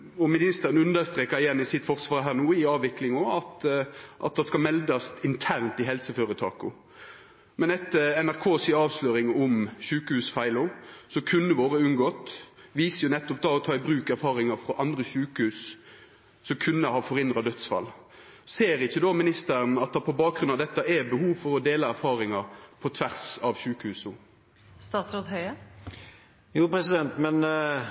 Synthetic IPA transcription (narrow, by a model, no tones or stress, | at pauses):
ɔmɪnɪst̪əɾənʉnd̪əʁst̪ɾeːkəɾɪjɛnːɪsɪt̪fɔʁsʋɑːɾɦæːʁnuːɪɑːʋʋɪklɪŋoːɑt̪ʔɑ̰t̪̚d̪ɑskɑmɛld̪ɑst̪ɪnt̪ʰæʁnt̪ɪɦɛlsəføːɾət̪ʰɑ̰ːkʊ̰ | mɛnɛt̪ːəɾɛnæʁkʰoːsɪɑːʋsløːɾɪŋɔmçʉːkəhʉːsfæɪlʊsɔkʰʉnːəʋoːʁəʉnɡɔt̪ʋiːsəjʊnɛt̪ːɔp̚d̪ɑːɔt̪ʰɑːɪbɾʉːkæɾfɑːɾɪŋɑfɾɔʔɑnd̪ʁəɕʉːkəhʉːs | sɔkʰʉnːəhɑːfɔʁɪnd̪ʁɑd̪œt̪sfɑ̰l | seːɾɪçːəd̪omɪnɪst̪əɾənɑt̪̚d̪ɑpʰɔbɑːk̚ɡɾʉnɑʋd̪ɛt̪ːɑɛbəhuːʋfɔɾɔd̪eːlɑæɾfɑːɾɪŋɑpʰɔt̪ʰʋæʁsɑʋɕʉːkəhʉːsu | st̪ɑːt̪sɾod̪hœʏə | juːpʰɾɛsɪd̪ɛnt̪mɛn